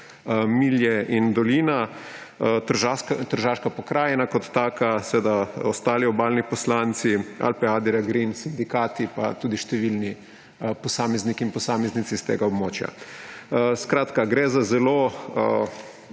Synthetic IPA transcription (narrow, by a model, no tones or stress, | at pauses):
miljɛind̪ɔliːna | t̪əɾʒakt̪əɾʒaʃkapɔkɾaːjɛnakɔt̪ːaːkasʋeːd̪aost̪aːliɔbaːlnipɔslant̪sia̰lpɛaːd̪ɛɾaɡɾinsind̪ikaːt̪ipa̰t̪uːd̪iʃt̪ɛʋilni | pɔsaːmɛznikiːnpɔsaːmɛznit̪sist̪ḛɡaobmoːt͡ʃja̰ | skɾaːt̪kaɡɾɛzazɛlo